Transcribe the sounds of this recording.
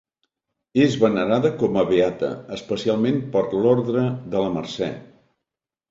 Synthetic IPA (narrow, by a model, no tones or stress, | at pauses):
ezβənəɾaðəkɔməβeat̪ə̰əspəsialˠmempəɾlɔɾðɾəðələmərsɛ̰